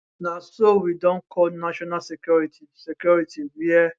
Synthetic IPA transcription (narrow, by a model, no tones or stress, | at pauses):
nãsowidɔ̃nkʰɔlnaʃɔnasɛkjɔɹitʰisɛkjɔɹitʰiwiɛ